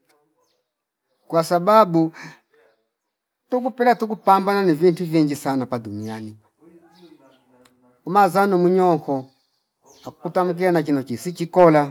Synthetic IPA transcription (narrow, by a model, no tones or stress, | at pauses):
kwasababu | tuk̬upɛlatuk̬upambananivintuviŋɡisanapadumiani | umazanɔmuɲɔŋkɔ | akukutamuk̬ilanakinɔt͡ʃisit͡ʃikɔla